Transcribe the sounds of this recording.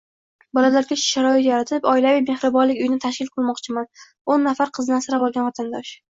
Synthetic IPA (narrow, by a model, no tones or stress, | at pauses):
bɒlalaɾɡʲaʃʃaɾɒɪt̪jaɾat̪ʰɪpɒɪlavɪjme̞hɾɨbɒnlɪkʲʊjɪnɪt̪ʰaʃkʲɪlˠqʰɨlˠmɒqt͡ʃʰɪman | onːafaɾqʰɨzd̪ansaɾabɒlˠɡʲanɒt̪ʰand̪ɒʃ